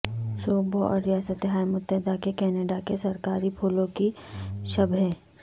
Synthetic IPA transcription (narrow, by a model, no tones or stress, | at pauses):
suːboɔ̰ːɾːɪjaːsət̪eɦaːjmʊt̪ːɛɦd̪akekɛːneːɖakesɐɾkaːɾipʰuːlõkiʃɐbʱɦeː